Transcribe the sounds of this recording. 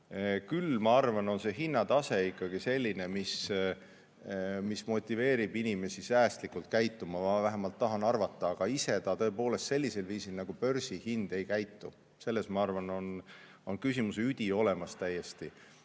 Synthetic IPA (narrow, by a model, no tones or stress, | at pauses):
kylmɑɑrvɑno̞nse̞ɦinːɑt̪ɑse̞ikːɑɡise̞lʲːine̞mis | mismo̞t̪ʲːˑive̞ːɾib̥inime̞sisæːst̪likult̪̚kæjt̪ːˑumɑɑvæɦemɑlt̪ːɑɦɑnɑrvɑt̪ːˑɑːɡ̥ɑise̞t̪ɑt̪ɤ̞epo̞ːle̞st̪se̞lʲːise̞lviːsilnɑɡ̥upø̞rsihind̪̥e̞jkæjt̪ːu | se̞lːe̞smɑɑrvɑno̞n | o̞nkysimuseyd̪̥ʲio̞le̞mɑst̪æjːe̞st̪i